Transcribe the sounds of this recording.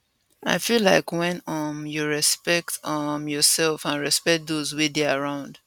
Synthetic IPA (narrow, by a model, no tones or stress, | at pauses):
a̰ɪfilaɪkwɛ̃nʌmjuɹɛspɛk̚tʌmjɔsɛlˠfãnɹɛspɛkt̚dozwideaɹãʊ̃nd̥